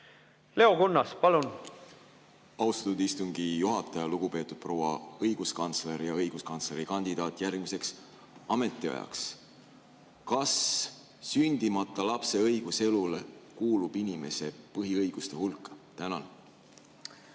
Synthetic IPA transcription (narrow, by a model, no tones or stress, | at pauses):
le̞okunːɑspɑlun | ɑwst̪ɑt̪ːud̪ist̪uŋɡ̥ijuɦɑt̪ːˑɑjɑluɡ̥upe̞ːt̪ːˑud̪̥̚pro̞wɑ̰ɤjɡ̥uskɑnt̪sle̞ɾjɑɤjɡ̥uskɑnsle̞ɾikɑnʲd̪̥id̪̥ɑːt̪ːˑjærɡ̥mise̞ks | ɑme̞t̪ːˑiɑ̰jɑ̰ks | kɑs | synʲd̪̥imɑt̪ˑːɑlɑpse̞ɤjɡ̥use̞lulekuːlub̥inʲime̞se̞pɤɦiɤjɡ̥ust̪e̞hulkːˑɑt̪ænɑn